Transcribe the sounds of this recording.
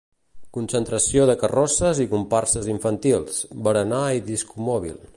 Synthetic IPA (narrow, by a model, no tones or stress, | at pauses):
kunsənt̪ɾəsioðəkərɔsəzikumparsəziɱfənt̪ilˠsbəɾənaiðiskumɔβ̞ḭlˠ